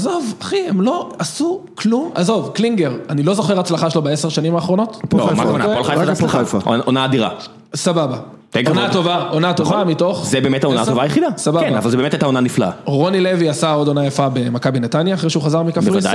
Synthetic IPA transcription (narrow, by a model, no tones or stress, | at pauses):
azovaχihemlo̞asukluma̰zo̞vkliŋɡe̞ʁanilozo̞χeʁat͡slaχaʃelobae̞seʃanimaːχʁo̞no̞tpomaoolafa̰ʔonaːd̪iʁa̰ | sababa | t̪eonat̪ovaonato̞vamito̞χzebeːmetaonat̪ovajeχid̪asabakenbavalzebemet̪ajt̪aonaniflaa̰ʁo̞nileviasao̞do̞najafabe̞makabinetanjaːχʁeʃeuχazaʁmikafbflid